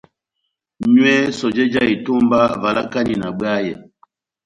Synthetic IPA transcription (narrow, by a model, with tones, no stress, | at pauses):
ɲwɛ˦sɔ˨d͡ʒɛ˦d͡ʒa˦˨i˨to˦mba˦va˨la˦ka˦ni˨na˨bwa˦jɛ˨